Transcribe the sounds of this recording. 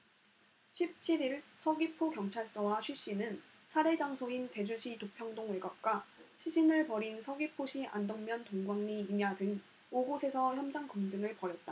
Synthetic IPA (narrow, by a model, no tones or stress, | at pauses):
ɕʰip̚t͡ɕʰiɾiɭsʰʌɡipʰokjʌŋt͡ɕʰaɭs͈ʌwaɕʰɥiɕ͈inɯn | sʰaɾe̞d͡ʑaŋsʰoint͡ɕe̞d͡ʑuɕʰitopʰjʌŋdoŋweɡap̚k͈waɕʰiɕʰinɯɭpʌɾinsʰʌɡipʰoɕʰiʔa̰ndʌnmjʌntoŋɡwaŋɲiːmjadɯŋ | oɡosʰe̞sʰʌçjʌmd͡ʑaŋkɯŋd͡ʑɯŋɯɭpʌɾjʌt̚t͈a